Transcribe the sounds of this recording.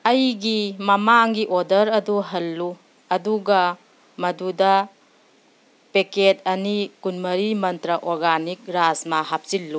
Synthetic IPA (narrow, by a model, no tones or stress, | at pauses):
ɐjɡimɐmaŋɡiʔodɐɾɐduɦɐlːu | ɐduɡɐ | mɐdudɐ | peket̚ɐnikunmɐɾimɐntɾɐʔoɾɡanik̚ɾasmɐɦap̚silːu